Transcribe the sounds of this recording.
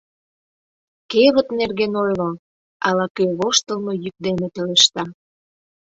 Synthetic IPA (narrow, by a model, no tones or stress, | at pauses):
keβə̆t̪nerɣenojlŏ | ɑlɑkøβoʃt̪ə̆lnojyk̚d̪emet̪eleʃt̪ɑ